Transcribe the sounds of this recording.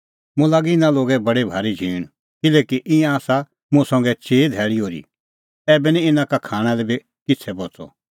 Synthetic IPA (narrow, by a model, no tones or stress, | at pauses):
mũlaːɡiɪnãloːɡɛbɐɽebʱaːɾid͡ʒʱiːɽ̃ | kɪlɛːkiʔɪ̃ãːsa | mũsɐ̃ŋɡɛt͡ʃeːd̪ʱɛːɭiɦoːɾḭ | ɛːbɛniɪnãkakʰaːɽ̃alɛbi | kɪt͡sʰɛbɔt͡sɔ̰